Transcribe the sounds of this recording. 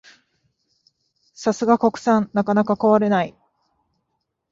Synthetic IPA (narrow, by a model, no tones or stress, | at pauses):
sasɨɡakokɯ̟̥sãnnakanakakoβaɾe̞nai